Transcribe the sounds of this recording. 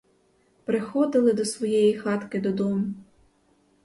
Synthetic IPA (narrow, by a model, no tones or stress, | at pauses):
pɾɪxɔd̪ɪlˠɪd̪ɔsʋɔjɛjixɑt̪kɪd̪ɔd̪ɔmʊ